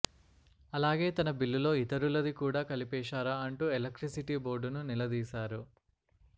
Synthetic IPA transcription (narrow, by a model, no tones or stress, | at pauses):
ɐlaːɡe̞ːt̪ɐnɐbilːulo̞ːit̪ɐɾulɐd̪ikuːɽaːkɐlipɛːʃaːɾaːɐɳʈuːelɐkʈɾisiʈiːbo̞ːɾɖununilɐd̪iːsaːɾu